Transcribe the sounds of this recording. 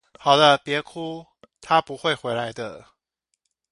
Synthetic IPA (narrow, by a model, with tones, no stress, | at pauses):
xɑ˨˩ʊd̪ə˦pjɛ˧˥kʰu˥ | t̪ʰa˥pu˧˥xwe˥˩ɪxwe˧˥ɪla˧˥ɪd̪ə̰˧